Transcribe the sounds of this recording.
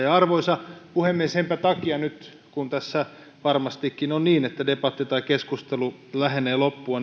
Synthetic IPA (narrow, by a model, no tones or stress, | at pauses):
jɑɑrʋoisɑpuhemːieshempæt̪ɑkiɑnyt̪ | kunt̪æsːæ | ʋɑrmɑst̪ikːinonniːnet̪ːædepɑt̪ːit̪ɑikeskust̪elu | læheneːlopːuɑ